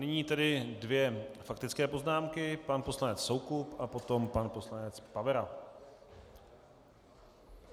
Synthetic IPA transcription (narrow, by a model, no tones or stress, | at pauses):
nɪɲiːt̪ɛdɪdvjɛfakt̪ɪt͡skɛːpo̞znaːmkɪpanpo̞slanɛt͡sso̞wkupapo̞t̪o̞mpanpo̞slanɛt͡spavɛɾa